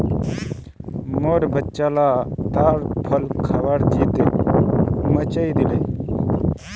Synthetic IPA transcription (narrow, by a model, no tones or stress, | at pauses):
moɽbʱətːɕalat̪aɾpʰəlkʰaʋaɽd͡ʒiːt̪e | mət͡ɕajd̪ile